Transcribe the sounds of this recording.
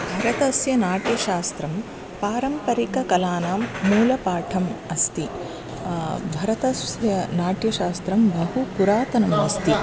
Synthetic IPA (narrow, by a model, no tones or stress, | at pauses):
bʱɐɾɐt̪ɐsjɐnaːʈjɐʃaːst̪ɾɐm | paːɾɐmpɐɾikɐkɐlaːnaːmːuːlɐpaːʈʰɐmɐst̪i | bʱɐɾɐt̪ɐsjɐnaːʈjɐʃaːst̪ɾɐmbɐɦupuɾaːt̪ɐnɐmɐst̪i